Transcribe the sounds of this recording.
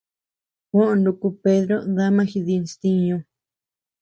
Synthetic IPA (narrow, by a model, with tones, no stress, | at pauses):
kõ˦ʔõ˧˨ndu˧ku˧pe˦ðɾo˦ða˦mã˦xi˧ði˧nst̪ĩ˦ɲõ˧